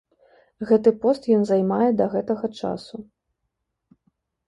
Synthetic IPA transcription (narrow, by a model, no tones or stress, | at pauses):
ɣɛt̪ɨpɔst̪jɔnzajmajɛd̪ɐɣɛt̪ɐɣɐt͡ʂa̰su